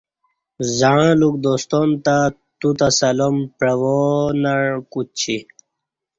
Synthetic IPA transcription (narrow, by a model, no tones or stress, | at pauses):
zaãluk̚d̪ost̪ont̪a | t̪ut̪asɐlompɻɐwonaɻkut͡ɕʰi